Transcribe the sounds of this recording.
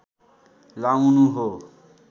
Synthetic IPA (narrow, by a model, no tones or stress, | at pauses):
lawnuɦo